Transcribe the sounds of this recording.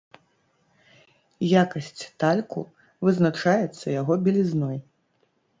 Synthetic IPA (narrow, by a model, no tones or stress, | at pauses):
jakɐsʲt͡sʲt̪alʲkṵ | vɨznat͡ʂajɛt̪sːɐjaɣɔbʲilʲiznɔj